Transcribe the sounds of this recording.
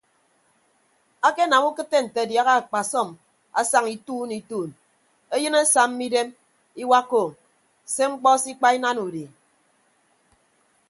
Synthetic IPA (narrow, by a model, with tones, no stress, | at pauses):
a˦ke˦na˨mu˦kɨ˦tːe˦n̩˨te˨dja˨ɣa˦a˨k͡pa˨sɔ˦˨m | a̰˨sa˨ŋi˨tuː˦ni˨tuː˦˨n | e˦jɨ˦ne˦sa˨m˦mi˦de˦m | i˦wa˦ko˨ | se˦ŋ͡m̩˦k͡pɔ˦si˦k͡pa˦i˦na˦nu˨di˨